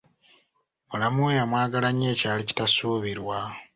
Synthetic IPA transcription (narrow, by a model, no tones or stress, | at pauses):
mulamuejamwaːɡalaɲːe̞ːcaːlici̥tasuːβiɾwa